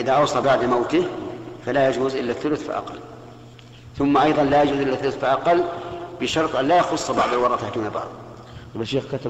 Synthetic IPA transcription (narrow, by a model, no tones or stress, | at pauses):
ʔɪðaʔɑwsˤɑbaʕd̪ˤmawt̪ifalajad͡ʒuːzʔɪlːaθːʊlʊθfḭʔa̰qɑ̰lː | θʊmːaʔɑjðˤɑnlajad͡ʒuːzʔɪlːaθːʊlʊθfiʔɑqɑlːb̥ɪʃɑɾˤt̪ˤʔanlajaxʊsˤːbɑʕd̪ˤɑlwɑɾˤɑːt̪aħd̪uːnabɑ̰ʕðˤ | baʃeːxkat̪